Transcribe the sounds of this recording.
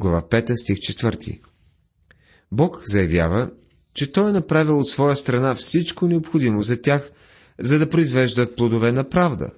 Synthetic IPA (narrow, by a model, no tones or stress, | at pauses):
ɡlˠɐva̰pɛt̪əst̪ixt͡ʃɛt̪vɤɾt̪ʰḭ | bɔkzɐjɐvja̰və | t͡ʃɛt̪ɔjɛnɐpɾavilˠot̪svɔjəst̪ɾɐnafsit͡ʃkonɛopxod̪imozɐt̪ʲax | zɐd̪ɐpɾoizvɛʒd̪ət̪̚plˠod̪ovɛnɐpɾavd̪ə̰